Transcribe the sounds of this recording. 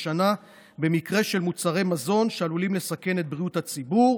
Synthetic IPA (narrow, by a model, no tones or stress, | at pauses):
ʃana | be̞mikʁe̞ʃe̞lmut͡saʁe̞jmazo̞nʃealulimle̞sake̞net̪̚bʁiuthat͡sibuʁ